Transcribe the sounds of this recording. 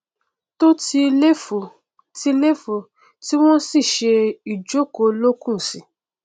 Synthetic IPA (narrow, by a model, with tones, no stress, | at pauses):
to˦ti˧le˦fu˨ | ti˧le˦fo˨ | ti˦w̃ɔ̃˦si˦˨ʃe˧i˨d͡ʒo˦˨ko˧lo˦kũ˦˨si˨˦